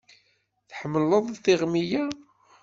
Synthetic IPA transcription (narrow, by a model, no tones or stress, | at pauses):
θħəmːəlːəðˤθiʁmija